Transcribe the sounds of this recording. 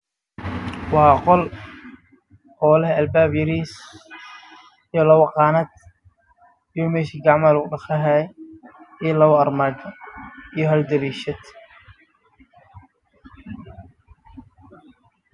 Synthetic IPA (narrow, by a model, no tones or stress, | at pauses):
wɑːqɔl | ʔɔːlɛɦɐlbaːbjɐɾiːs | ijɔlɐwʊqɑːnad̪ | ijɔmɛːʃiːɡɑʕmaːlʊɖɐχɐɦa | ijɔlɐwʊɐrmaːɡɐijɔɦɐld̪ɐɾiːʃɐd̪